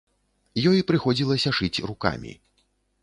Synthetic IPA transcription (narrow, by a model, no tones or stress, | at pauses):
jɔjipɾɨxɔd͡zʲilˠɐsʲɐʂɨt͡sʲruka̰mʲḭ